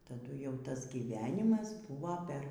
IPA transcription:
tɐˈdʊ jɛʊ ˈtɐs ɡʲiːˈʋʲæːnʲɪmɐs ˈbʊʋoː pʲɛr

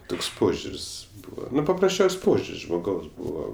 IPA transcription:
ˈtoːks ˈpoːʒʲʊrʲsʲ ˈbuːʋɐ pɐprɐsʲˈt͡ʃʲɛʊsʲ ˈpoːʒʲʊrʲsʲ ʒmoːˈɡɐʊs ˈbuːʋoː

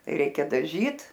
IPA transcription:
ˈrʲɛɪkʲɛ dɐˈʒʲiːt

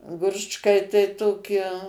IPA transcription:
ˈɡrʊt͡ʃkɐɪ tɐɪ ˈtoːkʲɪ

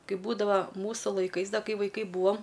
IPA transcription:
ˈkɐɪp ˈbuːdɐʋɐ ˈmuːsʊ lˠɐɪˈkɐɪs ˈdɐ ˈkɐɪ ʋɐɪˈkɐɪ ˈbuːɐm

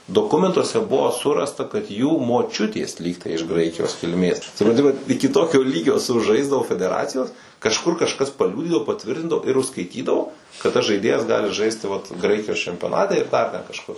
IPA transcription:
doːˈkʊmʲɛntuɔsʲɛ ˈbʊʋoː ˈsʊrɐstɐ kɐt juː moːˈt͡ʃʲʊtʲeːs ˈlʲiːktɐɪ ɪʃ ˈɡrɐɪkʲɪjoːs kʲɪlʲˈmʲeːs sʊprɐnʲˈtʲɪ ˈʋɐt ˈɪkʲɪ ˈtoːkʲoː ˈlʲiːɡʲoː sʊˈʒɐɪzdɐʋoː fʲɛdʲɛˈrɑːt͡sʲɪjoːs kɐʃˈkʊr kɐʃˈkɐs pɐˈlʲuːdʲiːdɐʋoː pɐˈtʲʋʲɪrʲtʲɪndɐʋoː ɪr ʊʃskɐɪˈtʲiːdɐʋoː kɐt tɐs ˈʒɐɪdʲeːjɛs ˈɡɑːlʲɪ ˈʒɐɪsʲtʲɪ ʋɐt ˈɡrɐɪkʲɪjoːs t͡ʃʲɛmʲpʲoːˈnɑːtʲɛ ɪr ˈdɐr tʲɛn kɐʃˈkʊr

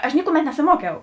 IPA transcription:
ɐʃ ˈnʲɪkʊˌmʲɛt nʲɛsʲɪˈmuɔkʲɛʊ

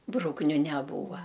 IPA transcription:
ˈbrʊknʲʊ nʲɛˈbuːʋɐ

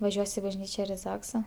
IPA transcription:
ʋɐˈʒʲuɔs ɪ bɐʒʲˈnʲiːt͡ʃʲɛ ɪr ɪ ˈzɑːksɐ

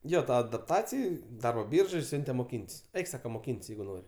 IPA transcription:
ˈjoː ˈtɐ ɐdɐpˈtɑːt͡sʲɪj ˈdɐrboː ˈbʲiːrʒoːj ˈsʲʊnʲtʲɛ moːˈkʲiːnʲtʲsʲ ˈɛɪk ˈsɑːkɐ moːˈkʲiːnʲtʲsʲ ˈjɛɪɡʊ ˈnoːrʲ

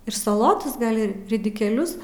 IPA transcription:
ɪr sɐˈlˠoːtoːs ˈɡɐlʲ ˈɪ rʲɪdʲɪkʲeːˈlʲʊs

